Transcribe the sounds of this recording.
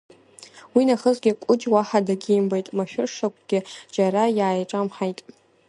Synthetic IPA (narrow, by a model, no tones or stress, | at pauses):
winaχəzɡʲɪkʷʼʊd͡ʒwaħadaɡʲiːmbajtʼmaʃᶣʊʂakʷʰʼɡ̥ʲɪd͡ʒaɾajaːjʈ͡ʂʼamħajtʼ